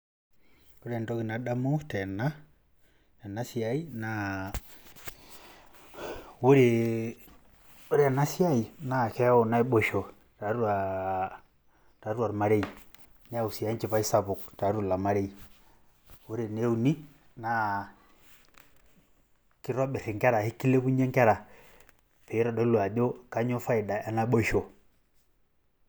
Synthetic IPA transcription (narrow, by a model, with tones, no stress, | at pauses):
o˦ɾɛ˨ndɔ˦ki˨na˨da˦mo˦tɛ˨na˦ | a˨na˦si˦a˦i˦na˨ | o˦ɾe˨ | o˦ɾe˦a˨na˦si˦a˦i˨na˨kɛ˦o˨na˦i˦ɓo˦˨ʃo˨ | ta˨ɾwa˨ | ta˨ɾwa˨ɾma˦ɾe˦i˨ | nɛ˦a˦˨u˨si˨a˨˦i˦n˦t͡ʃi˨pa˦i˦sa˦pu˨kta˨˦ɾu˦la˨ma˨˦ɾɛ˦i˨ | wu˦ɾe˨ne˦u˨ni˦ | na˦ | ki˦ɾa˦ɓe˨ɾi˨ŋkɛ˦ɾa˨hi˦ki˦le˦bu˦ɲɛ˦ŋkɛ˦ɾa˨ | pɛ˨˦ɾɔ˨dɔ˦lu˨a˨ɗɔ˦ka˦ɲɔ˦fa˦i˨da˨a˦na˦ɓɔ˦ʃɔ˨